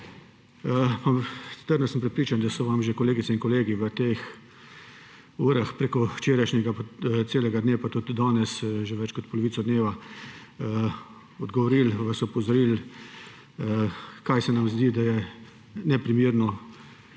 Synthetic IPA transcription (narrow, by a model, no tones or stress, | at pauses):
pat̪əɾd̪nɔsəmpɾɛt̪pɾiːt͡ʃand̪asɔʋamʒekɔleːɡit̪sɛinkɔleːɡiʋət̪ex | uːɾaxpɾeːkɔwt͡ʃeːɾajʃnʲɛɡapt̪seːlɛɡad̪neːwpat̪ut̪d̪ɔːnɛsʒeʋɛt͡ʃkɔt̪̚pɔlɔʋiːsɔd̪neːʋa | ɔd̪ɡɔʋɔɾilʋasɔpɔzɔɾil | əkajsɛnamzd̪id̪ajɛ | nɛpɾimiːɾnɔ